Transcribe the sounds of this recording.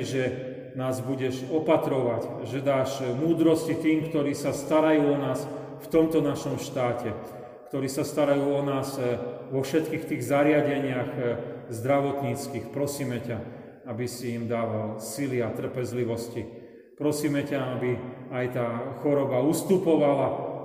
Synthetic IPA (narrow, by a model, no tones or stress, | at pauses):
ʒɛ | naːzbuɟɛʒɔpat̪ɾɔʋacʒɛd̪aːʒmuːd̪ɾɔscit̪iːmkt̪ɔɾiːsast̪aɾajuːɔnaːs | ft̪ɔmt̪ɔnaʃɔmʃt̪aːcɛ | kt̪ɔɾiːsast̪aɾajuːɔnaːzʋɔfʃɛt̪kiːxt̪iːɣzaɾɪaɟɛɲɪaɣzd̪ɾaʋɔt̪ɲiːt͡skiːxpɾɔsiːmɛca | abisiimd̪aːʋalsiliat̪r̩pɛzliʋɔsci | pɾɔsiːmɛcaabiajt̪aːxɔɾɔbaust̪upɔʋala